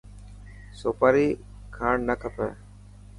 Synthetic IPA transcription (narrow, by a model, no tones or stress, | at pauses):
soːpəːɾiː | kʰaːɳnəkʰəpɛ̰ː